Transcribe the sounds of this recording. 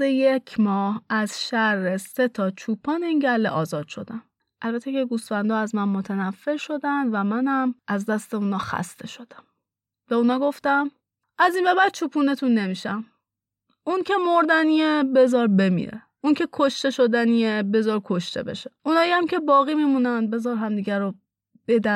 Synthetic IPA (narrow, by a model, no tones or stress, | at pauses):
ejecʰmɒːhæzʃæɾːeset̪ʰɒt͡ʃʰuːpʰɒːneiːnɟælːḛʔɒːzɒːd̪̥ʃo̞̰d̪æn | ʔælbæt̪ʰːekeɡuːsfænd̪ɒːæzmænmo̞t̪ʰænæfːe̞ɾʃo̞d̪ænd̪væmænæmʔæzd̪æst̪e̞unɒːxæ̰st̪ʰe̞ʃo̞d̪̥æm | b̥eunɒːɡo̞ft̪æm | ʔæzinbe̞bæd̪̚t͡ʃʰuːpʰuːne̞t̪ʰunːe̞miʃæm | ʔuncʰe̞moɾd̪æniebe̞zɒːɾbe̞mḭɾḛ | uncʰe̞kʰoʃt̪e̞ʃod̪æniebe̞zɒɾkʰoʃt̪ʰe̞̰be̞̰ʃeunɒːjiæmcʰe̞bɒːɣiːmimunænbe̞zɒɾɦæmd̪iːɟæɾo | b̥e̞d̪æ